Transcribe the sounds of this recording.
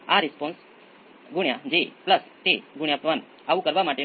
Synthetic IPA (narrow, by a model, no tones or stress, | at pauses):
aɾispɔ̃ns | ɡuɳjad͡ʑepləst̪eɡuɳ̃japʋan | aʋukəɾʋamaʈe